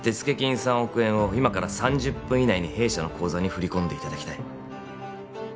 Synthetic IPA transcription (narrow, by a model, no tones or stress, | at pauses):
t̪e̞t͡sɨ̥ke̞kʲĩɰ̃sãɰ̃o̞kɯ̟ẽ̞ɰ̃o̞imakaɾasãɲ̟d͡ʑɨpːɯ̃inaiɲ̟ihe̞ːɕano̞kʰo̞ːzaɲ̟iɸɯ̟ɾʲikõ̞nd̪e̞it̪ad̪akʲt̪ai